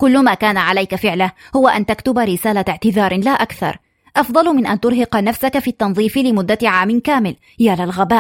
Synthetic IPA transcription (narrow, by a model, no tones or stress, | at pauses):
kʊlːʊmaːkaːnaʕalajkafɪʕlahhʊwaʔant̪akt̪ʊbaɾɪsaːlaʕt̪ɪðɑːɾˤlaːʔakθɑ̰ɾˤ | ʔɑfd̪ˤɑlmɪnʔant̪ʊɾɦɪqnafsakafiːt̪ːɑnðˤiːflɪmʊd̪ːaʕaːmɪnkaːmɪl | jaːlalɣabaː